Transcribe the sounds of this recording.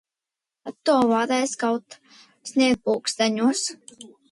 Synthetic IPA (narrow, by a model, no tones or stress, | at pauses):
at̪ːuɔvaːd̪ajskawt̪ | snʲiɛd̪̚puːkst̪aɲuɔs